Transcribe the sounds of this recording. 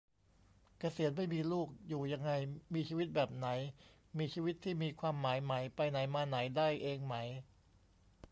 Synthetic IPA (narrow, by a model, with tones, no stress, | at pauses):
ka˧si˨˩˦ənma˥˩jmiː˧luː˥˩k̚juː˨˩ja˧ŋːa˧jmiː˧t͡ɕʰiː˧wi˦˥t̪̚bɛː˨˩p̚na˩˦j | miː˧t͡ɕʰiː˧wi˦˥t̪ʰːiː˥˩miː˧kʰwaː˧mːaː˩˦jma˩˦jpa˧jna˩˦jmaː˧na˩˦jdaː˥˩jʔeː˧ŋma˩˦j